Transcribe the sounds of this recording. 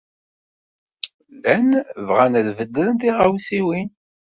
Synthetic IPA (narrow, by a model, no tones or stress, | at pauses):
lænvʁænəðvəd̪ːɾənt̪iʁawsiwin